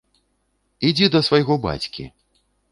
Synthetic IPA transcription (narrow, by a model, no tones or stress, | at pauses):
id͡zʲid̪ɐsvɐjɣɔba̰t͡sʲkʲḭ